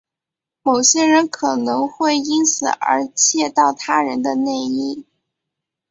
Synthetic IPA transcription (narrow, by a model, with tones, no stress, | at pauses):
mo˨˩ʊɕjɛ˥ɻə˧˥nkʰɤ˨˩nɤ˧˥ŋxwe˥˩ɪi˥nt͡sʰɹ̩˨˩ə̰˧˥t͡ɕʰjɛ˥˧t̪ɑ˥˩ʊt̪ʰa˥ɻə˧˥nd̪ə˧ne˥˧ɪi˥˩